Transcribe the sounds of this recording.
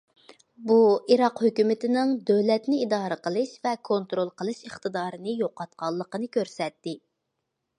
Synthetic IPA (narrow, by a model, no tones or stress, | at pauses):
buiɾɑqhøkʲymɪt̪ɪnɪŋd̪øwlɛt̪nɪid̪ɑːɾəqəlˠɨʃvɛkʰont̪ɾolˠqʰəlˠɨʃəχt̪ɨd̪ɑːɾɨnɨjoqɑt̪̚qɑlˠːəqənɨkʲʰøɾsɛt̪ːɪ